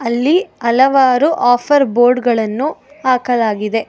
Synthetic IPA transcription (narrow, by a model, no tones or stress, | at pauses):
ɐlːiɐlɐʋaːɾuʔaːpʰɐɾboːɾɖɡɐɭɐnːu | aːkɐlaːɡid̪e̞